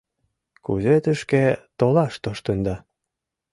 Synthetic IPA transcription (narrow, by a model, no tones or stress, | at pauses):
kṵzet̪ə̆ʃket̪olɑʃt̪oʃt̪ə̆nd̪ɑ